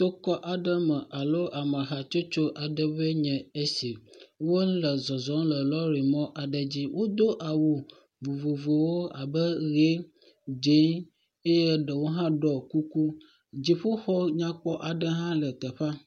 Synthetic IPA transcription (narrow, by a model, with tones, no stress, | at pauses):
t̪o˦kɔ˦ʔa˨ɖə˦mə˨ʔa˨lo˦ʔa˨ma˨ɦa˨t͡ʃo˦t͡ʃo˦ʔa˨ɖə˦βə˦ɲɛ̃˨e˦si˨wo˦lə˨zɔ˨zɔ˦lə˨lɔ˦ɾi˨mɔ̃˦ʔa˨ɖə˨d͡ʑi˦wʔo˦d̪o˦ʔa˨wu˨ | vu˨vo˨vo˨wo˦a˨bə˦ɣe˦ | d͡ʒe˦n | e˦je˦ɖə˨wo˦ɦã˦ɖɔ˨ku˦ku˦ | d͡ʑi˨ɸo˦xɔ˦ɲã˦k͡pɔ˦ʔa˨ɖə˦ɦã˦lə˨t̪ə˨ɸa˦